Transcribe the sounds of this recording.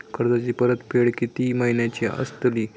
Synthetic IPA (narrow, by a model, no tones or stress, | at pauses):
kəɾd̪at͡ɕiːpəɾət̪peɽkit̪iməɦinjat͡ɕiʔə̰st̪əliː